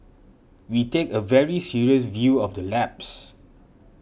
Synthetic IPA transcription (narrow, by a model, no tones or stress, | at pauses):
witekəvɛɹisiɹiəs̬vjuɔfdəlɛps